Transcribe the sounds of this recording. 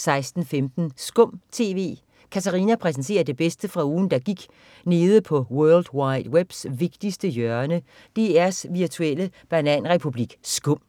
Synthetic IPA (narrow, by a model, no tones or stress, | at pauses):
sɑ̈ɪsd̥n̩femd̥n̩sɡ̥ɔ̽m̰t͡sʰe̝̰ːʋe̝̰ː | kʰæt͡sʰæʁiːnæpʰʁɛs̬ent͡sʰe̝̰ːɐd̥e̝b̥esd̥əfʁɑ̈uːn̩d̥ɑ̈ɡ̥iɡ̥ | ne̝ːð̞ˠəpʰɒ̽wœɐld̥wɑ̈ɪd̥web̥sʋe̝ɡ̥d̥isd̥əjœɐnə | d̥e̝æɐsʋiɐt͡sʰueləb̥ænɛn̰ʁɛpʰub̥liɡ̥sɡ̥ɔ̽m̰